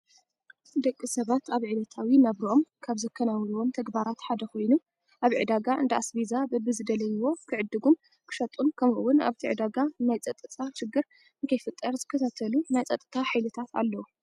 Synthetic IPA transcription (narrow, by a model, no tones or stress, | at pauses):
d̪ɐkʼːisɐβat̪ʰaβʕilɐt̪ʰawinaβɾiʔo̞mkʰaβzɨkʰːɐnawluwo̞mt̪ʰɐɡbaɾat̪ħad̪ɐkʰo̞jnum | ʔaβʕɨd̪aɡaʔɨ̰nd̪ɐʔasbizabɨbɨzɨd̪ɐlɐjɪwo̞kʰɨʕɨd̪ːɨɡum | kʰɨ̥ʃɐt̪ʼunkʰɐmɨwːʊna̰βt̪ʰiʕɨd̪aɡanajt͡sʼɐt̪ʼɨt͡s̪ʼaʃɪɡːɨɾ | ɨŋkʰɐjfɨt̪ʼːɐɾzɨkʰːɐt̪ʰat̪ʰɐlunajt͡sʼɐt̪ʼːɨt̪ʰaħajlɨt̪ʰat̪ʰa̰lːɐwu